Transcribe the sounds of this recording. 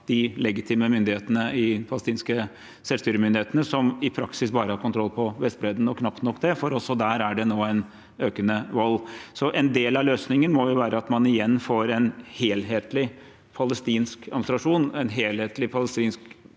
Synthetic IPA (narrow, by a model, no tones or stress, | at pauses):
d̪̥ɪlɛɡɪt̪ʰiːməmʏnd̪ɪheːt̪ənəɪpʰɑləst̪iːnskə | sɛlst̪yːɾəmʏnd̪ɪheːt̪ənəsɔmɪpʰɾɑksɪsbɑːɾəhɑːɾkʰʊnt̪ʰɾɔlːpʰɔʋɛst̪̚bɾeːd̪n̩ɔkʰnɑpt̪nɔkːd̪ɛfɔɾɔlsɔd̪æːɾæɖɛnoːæɪn | øːkənəʋɔlːsɔʔɛnd̪eːlɑløːsnɪŋənmɔjʊʋæːɾəɑt̪mɑnɪjɛnːfoːɾɛnheːlɦeːt̪lɪ | pʰɑləst̪iːnskɑmst̪ɾɑʂuːnɛnɦeːlheːt̪lɪpʰɑləst̪iːnsk